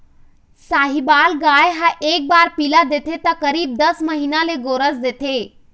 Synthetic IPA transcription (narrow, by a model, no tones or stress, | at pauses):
saːɦibaːlɡaːjɦãʔeːk̚baːɾpilad̪et̪ʰet̪əkəɾiːb̚d̪əsməɦinaleɡoːɾəsd̪et̪ʰe